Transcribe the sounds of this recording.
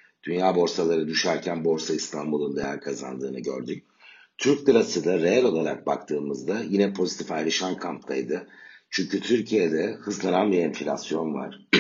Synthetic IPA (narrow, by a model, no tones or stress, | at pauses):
d̪̥ynjaːbo̞ɾsalˠaɾɯd̪yʃæɾcʰænbo̞ɾsaist̪ʰanbulˠund̪ejæɾkʰaza̰nd̪ɯːnɯɟø̞̰ɾd̪yc̚ | t̪ʰyɾc̚d̪ɯɾasɯd̪aɾe̞ælʲo̞lˠaɾak̚ba̰k̚t̪ʰɯːmɯzd̪ajinɛpʰo̞zit̪ʰifajɾɯʃankʰamp̪̚ʰajd̪ɯt͡ʃʰyɲcyt̪ʰyɾcʰijed̪ɛhɯzlˠananbiɾenfilʲa̰sijo̞nva̰ɾ̥